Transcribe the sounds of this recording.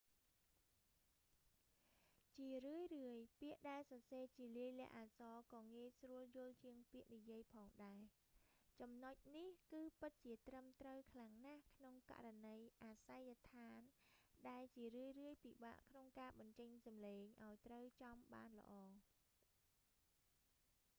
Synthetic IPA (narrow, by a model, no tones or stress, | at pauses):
t͡ɕiərɨəjrɨəjpiəʔɗaɛlsɑseːt͡ɕiəliəjlɛ̆əʔaːsɑːkɑːŋiəsruəljʊ̆əlt͡ɕiəŋpiəʔnijiəjpʰɑːŋɗaɛ | t͡ɕɑmnoc̚nihkɨːpɨt̪̚t͡ɕiət̪rəmt̪rəwkʰlaŋnahkʰnoŋka̰ʔranəjʔaːsajːat̪ʰaːnɗaɛlt͡ɕiərɨəjrɨəjpiɓa̰ːʔkʰnoŋkaːɓɑɲt͡ɕəɲsɑmleːŋʔaɔjt̪rəwt͡ɕɑmɓa̰ːnlə̰̆ʔɑː